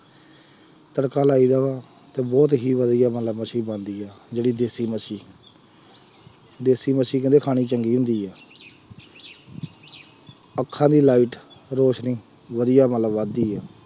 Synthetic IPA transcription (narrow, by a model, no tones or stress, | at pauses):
t̪əɽkaːlaːiːd̪aːʋaː | t̪eːbɔːt̪ɦiːʋəd̪ijaːmət̪ləbmət͡ʃʰiːbãːnd̪iːɛːd͡ʒeːɽiːd̪eːsiːməʃiː | d̪eːsiːməsiːk̬ənd̪eːkʰaːɽ̃iːt͡ʃəŋɡiːɦʊ̃nd̪iːɛː | əkʰːãːd̪iːlaːiːʈɾoːʃnĩː | ʋəd̪ijaːmət̪ləbʋãːd̪iːɛː